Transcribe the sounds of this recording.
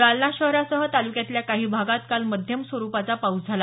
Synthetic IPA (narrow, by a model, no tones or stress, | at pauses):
alnaɕəɦɾasəɦət̪alukjat̪ljakaɦiːbʱaɡat̪̚kalməd̪ʱjəmsʋəɾupat͡sapaud͡zʱala